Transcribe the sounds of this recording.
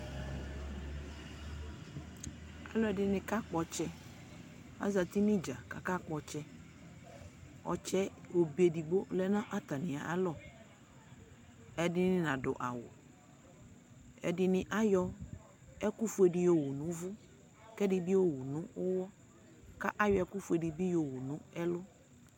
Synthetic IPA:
a̰˨lɔ˦ɛ˨dɪ˨nɪ̃˨ka˦k͡pɔ˨t͡ʃɛ˦ | a̰˦za˨t̪i˦nɪ̃˦d͡ʒa˨ka̰˨ka˦k͡pɔ˨t͡ʃɛ˦ | ɔ̰˨t͡ʃɛ˦o˨be˨di˨ɡ͡bo˦lɛ˦nã˦ʔa˦t̪a˨nɪ̃˨a˨ʔa˦lɔ˦˨ | ɛ˨dɪ˦nɪ̃˦nã˨ɖʊ˨ʔa˨wʊ̰˨ | ɛ̰˨dɪ˨nɪ̃˨ʔa˦jɔ˦ | ɛ˦ku˦fu˦ɛ˨ɖɪ˨jo˨wu˨nũ˨˦vʊ˦ | kɛ˦dɪ˨bi˦wo˦wu˨nũ˦ʊ˦wɔ˦ | ka˦ʔa˦jɔ˨ɛ˦ku˦fu˨˦ɛ˨ɖi˨bi˦jo˨wu˨nũ˦ɛ˦lʊ˦

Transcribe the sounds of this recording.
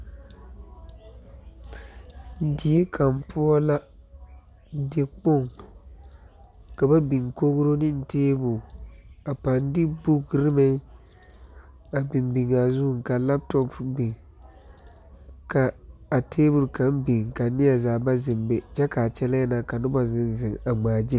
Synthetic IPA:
n̩˦di˨e˦kʰa˨mpʊ˦ɔ˦la˦ | de˨k͡po˦˨ŋ | ka˨ba˦bi˨ŋko˦ɣʊ˦ɾo˦nɪ˦n̩˨teː˦bʊ˨a˨pa˨n˦dɪ˦bu˦ɡɾɪ˦mɪ˦ŋ | a˨bɪ˨mbi˨ŋa˨zu˦hŋka˨la˦p̚tɔ˦pbɪ˨ŋ | ka˨a˨tʰeː˦bʊ˨ɾka˨m˦bi˨ŋka˨˦nɪ˦ja˨zaː˨ba˦zɪ˨mbe˨t͡ʃɛ˦ka˨t͡ʃɛ˦la˦jɛ˦na˨ka˨nʊ˦ba˨zɪ˦n˦zɪ˨ŋa˨ŋ͡maː˨d͡ʒɪ˦˨

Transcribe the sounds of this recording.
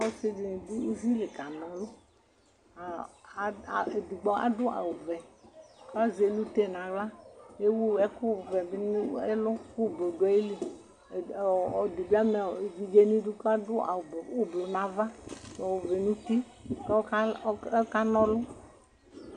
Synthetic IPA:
ɔ˦sɪ˦d͡ʒi˨n˨du˦u˦vi˦li˨ka˨nɔ˨lʊ˦ | a˨ | e˨du˨ɡ͡bɔ˦a̰˦dʊ˦a̰˨wu˨vɛ˨ka˦ze˨lu˦te˦˨nã˨ɡla˦e˦wu˦ɛ˦ku˦˨vɛ˨bɪ˦n˦ɛ˦lʊ˦ku˦˨bo˨dɔ˦i˦li˨ | ɔ˨du˨bi˦a˦mɛ˨d͡ʒi˨d͡ʒe˦nĩ˦du˦ka˦dʊ˦a̰˨bu˦blu˨nã˨va˦˨ɔ˨wu˨vɛ˨nũ˦t̪i˦ | kɛ˦ka˦ka˦nɔ˦lʊ˦

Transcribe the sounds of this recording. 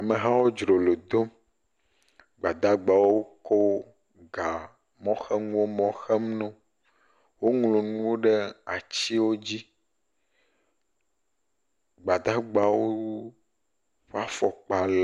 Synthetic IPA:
a˨mẽ˨ɦã˦wo˦d͡ʒɾo˨lo˨d̪o˦m | ɡ͡ba˨d̪a˦ɡ͡ba˨wo˦ko˦ | ɡa˨ | mɔ̃˦xɛ˦ŋũ˦wo˦mɔ̃˦xɛ˦mnɔ̃˦ | wo˦ŋlo˨ñũ˦wo˦ɖe˦a˨t͡ɕi˦wo˦d͡ʑi˦ | ɡ͡ba˨d̪a˦ɡ͡ba˨wo˦ | wo˦a˦fɔ˨k͡pa˨l

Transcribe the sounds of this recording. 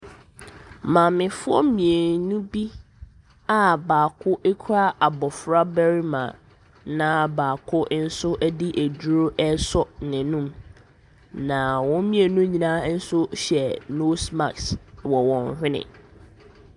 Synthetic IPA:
mã˨mɪ̃˨fʊ˦ɔ˦mĩ˨e˨nũ˦bi˦ | a˦baː˨kʰʊ˦ʔe˦kʰu˦ɾa˦ʔa˨bɔ˨fɾa˦bæ˦ɾi˦mã̰˨ | nã˦baː˨kʰʊ˦ʔn̩˦sʊ˦ʔæ˦di˦ʔæ˨du˦ɾo˦ʔɛ˦sɔ˦nɪ̃˨nũ˦m | nã˨wɔ̃˦n˦mĩ˦e˨nũ˦ɲĩ˨nã˦n̩˦sʊ˦ɕɛ˨no˦sma˨kswɔ˨wɔ̃˨n˨hᶣɪ̃˦nɪ̰̃˨

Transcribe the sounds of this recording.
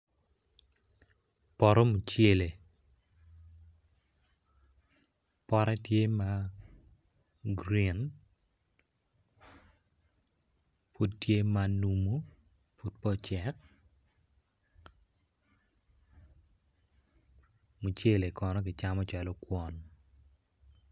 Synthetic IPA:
pɔ˨ɾɔ˦mu˨t͡ʃe˦˨le˨ | pɔ˦ɾɛ˦tje˦ma˦ | ɡɾi˦˨n | fu˦ttje˦ma˨nu˨mu˦ | fu˨d̚pɔ˦t͡ʃɛ˨k̚ | mu˨t͡ʃje˦le˨kɔ˨nɔ˦k̬ɪ˨t͡ʃa˦mɔ˦t͡ʃa˨lɔ˦kwɔ˨n

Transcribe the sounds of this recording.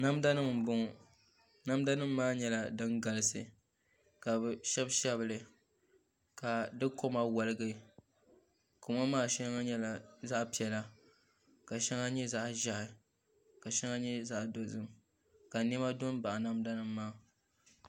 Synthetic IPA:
na˦mda˦nɨ˦m̩˨bʊ˦ŋ˨ | na˦mda˦nɨ˦mːaː˦ɲɛ˦la˨dɨ˦ŋɡa˨lɨ˨sɨ̰˨ | ka˨bɨ˨ʃɛ˦bʃɛ˦bɨ˨lɨ˨ | ka˨dɨ˦ko˦ma˦wa˨lɨ˦ɡɨ˦ | ko˨ma˦maː˦˨ʃɛ˦ŋa˦ɲɛ˦la˨za˦ʔpi˨ɛ˨la˦ | ka˨ʃɛ˦ŋa˦ɲɛ˦za˦ʔʒa˨˦ʔɪ˨ | ka˨ʃɛ˦ŋa˦ɲɛ˦za˦ʔdo˨zɨ˦m | ka˨n˦ɛ˦ma˦dʊ˦n˦ba˨ʔa˨na˦mda˦nɨ˦mːaː˦˨

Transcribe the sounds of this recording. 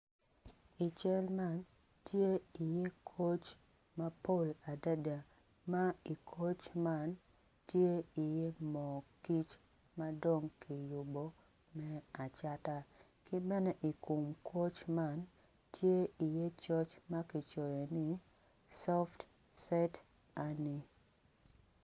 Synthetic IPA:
i˨t͡ʃɛ˦lma˦n | tje˦i˨je˦kʰo˦t͡ʃ | ma˦po˦˨la˨da˦da˨ | ma˦i˨kʰo˦t͡ʃma˦n | tje˦i˨je˦mɔ˨ki˦t͡ʃ | ma˦do˦ŋki˨jʊ˨bo˦ | mɛ˦a˨t͡ʃa˦ta˦ | kɪ˦bɛ˦nɛ˦ʔi˨ku˨mkʰo˦t͡ʃma˦n | tʰje˦i˨je˦t͡ʃɔ˦t͡ʃma˦kɪ˨t͡ʃo˨jɔ˨nɪ˦ | sɔ˦ft | sɛ˦t | a˦ni˦

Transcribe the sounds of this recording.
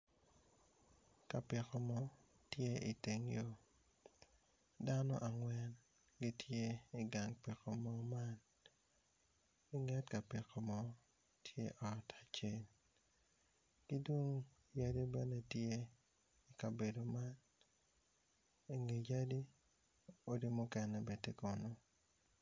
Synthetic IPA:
ka˨pɪ˨kɔ˨mɔ˦ | tje˦ʔi˨te˨ŋjo˦ | da˦nɔ̰˦ʔa˨ŋwɛ˦n | ɡi˦tʰje˦i˨ɡa˨ŋpi˨kɔ˨mɔ˦ma˦n | ɡ̥ɪ˦ŋɛ˦tka˨pɪ˨kɔ˨mɔ˦ | tʰjḛ˦ʔɔ˨tʰa˨t͡ʃe˦l | ɡ̥i˦dwo˦ŋ | ja˦di˦bɛ˦ne˦tje˦ | i˨ka˨be˨do˨ma˦n | e˨ŋe˨ja˦di˦ | o˦di˦mu˦kɛ˨nɛ˨be˨te˦ko˨no˦

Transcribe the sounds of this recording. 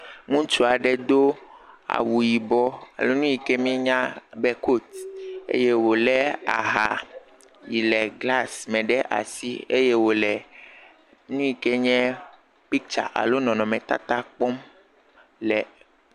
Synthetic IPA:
ŋũ˦t͡ʃu˦a˨ɖɛ˦˨d̪o˦a̰˨wu˨ji˨bɔ˦a̰˨lo˦nũ˦ji˨kɛ˦mĩ˦ɲã˦bɛ˦ko˦t̪ḛ˦je˦wo˨lɛ˦a̰˨ɦa˨ | ji˨lɛ˨ɡla˦˨smɛ̃˨ɖɛ˦ʔa̰˨si˦ḛ˦jɛ˦wo˨lɛ˨ | nũ˦i˨kɛ˦ɲɛ̃˦ | pi˦k̚t͡ʃa̰˨ʔa̰˨lo˦nɔ̃˨nɔ̃˨mɛ̃˨t̪a̰˦t̪a˦k͡pɔ˦m | lɛ˨

